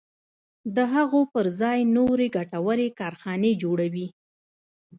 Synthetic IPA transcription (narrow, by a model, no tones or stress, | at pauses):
d̪əɦaɣopəɾzɑjnoɾeɡaʈawəɾekɑɾxɑned͡ʒoɽawi